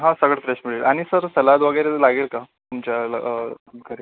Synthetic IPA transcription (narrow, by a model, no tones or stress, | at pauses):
ɦãsəɡɭet̪ɾeɕmiɭeɭaɽ̃isəɾsəlad̪ʋəɡəjɾelaɡeːlka | t̪umt͡ɕjalə̰ | ɡʰʱəɾe